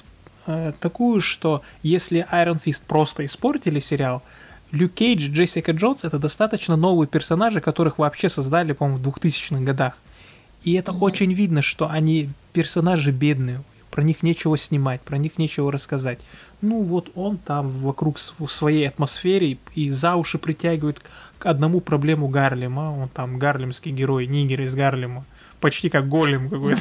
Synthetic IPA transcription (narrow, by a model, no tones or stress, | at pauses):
at̪ɐkujʊʂt̪o̞jesʲlʲɪʔajɾənfʲist̪̚pɾo̞st̪əɪspo̞rtʲɪlʲɪsʲɪɾʲɪalˠ | lʲukʲejd͡ʒʐɛsʲɪkəʐo̞nsɛt̪əd̪ɐst̪at̪ət͡ɕnəno̞vɨjəpʲɪrsɐnaʐɨkɐt̪o̞ɾɨxvɐːpɕːe̞sɐzd̪alʲɪpɐmomvd̪vʊxt̪ɨsʲɪ̥t͡ɕnɨxɡɐd̪ax | iɛt̪əʔot͡ɕɪnʲvʲid̪nəʂt̪o̞ʔɐnʲipʲɪrsɐnaʐɨbʲe̞d̪nɨjɪ | pɾɐnʲixnʲet͡ɕɪvəsʲnʲɪmat̚ʲpɾɐnʲixnʲet͡ɕɪvəɾəskɐzatʲ | nuvo̞t̪o̞nt̪amvɐkɾukssvɐjejɐt̪mɐsfʲeɾʲɪizavʊʂɨpɾʲɪtʲæɡʲɪvəjɪt̪kɐd̪nɐmupɾɐblʲe̞mʊɡarlʲɪməo̞nt̪amɡarlʲɪmskʲɪjɡʲɪɾo̞jnʲiɡʲɪɾʲɪzɡarlʲɪmə | pɐt͡ɕtʲikak̚ɡolʲɪmkɐkojt̪ə